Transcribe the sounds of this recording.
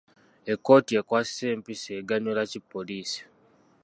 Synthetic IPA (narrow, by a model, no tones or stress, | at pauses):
e̞kːo̞ːtie̞kwaːsi̥se̞ːmpiseːɡaɲulacipːoliːsi̥